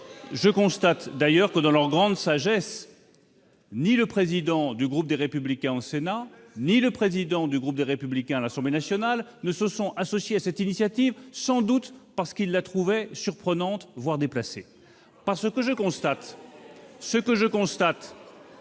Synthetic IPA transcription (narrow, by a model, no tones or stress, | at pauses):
ʒəkɔ̃st̪at̪d̪ajœʁkəd̪ɑ̃lœʁɡʁɑ̃d̪saʒɛs | niləpχezid̪ɑ̃d̪yɡʁup̚d̪eʁepyblikʲɛ̃ɑ̃sena | niləpχezid̪ɑ̃d̪yɡʁup̚d̪eʁepyblikʲɛ̃alasɑ̃blenasjɔnalnəsəsɔ̃asɔsjeasɛt̪inisjat̪ivsɑ̃d̪ut̪paʁsə̥kilːat̪χuvɛsyʁpχənɑ̃t̪vwaʁd̪eplase | paʁsəkəʒəkɔ̃st̪at̪ | səkəʒəkɔ̃st̪at̪